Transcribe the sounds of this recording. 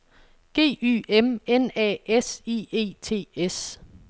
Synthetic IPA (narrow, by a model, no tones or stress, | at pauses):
ɡ̥e̝̰ːy̰ːemenɛ̰ːesiːe̝̰ːt͡sʰe̝̰ːes